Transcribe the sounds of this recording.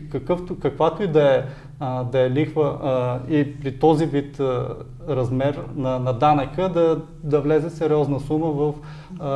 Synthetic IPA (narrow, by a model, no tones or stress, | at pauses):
kɐkɤft̪okɐkvat̪oid̪ɐɛ | d̪ɐɛlixvəipɾit̪ɔzivit̪ | ɾɐzmɛɾnɐnɐd̪anəkəd̪ɐ | d̪ɐvlɛzɛsɛɾiɔznəsuməvɐf